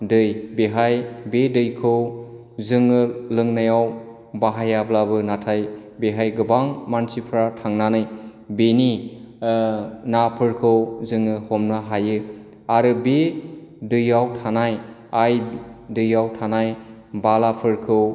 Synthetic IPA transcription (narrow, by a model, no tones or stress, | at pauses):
dɯjbeɦajbedɯjkʰɯw | zɯŋɯlɯŋnajaw | baɦajablabɯnatʰajbeɦajɡɯbaŋmansipʰɾatʰaŋnanɯj | beni | napʰɯɾkʰɯwzɯŋɯhɔmnaɦajɯ | aɾɯbedɯjawtʰanaj | ajdɯjawtʰanaj | balapʰɯɾkʰɯw